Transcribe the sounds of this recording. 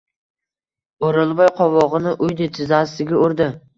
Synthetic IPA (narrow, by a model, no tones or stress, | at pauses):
oɾɪlˠbɒjqʰɒvɒʁɨnɪʔʊjd̪et̪ʰɪzast̪ɪɡʲɪoɾd̪ɪ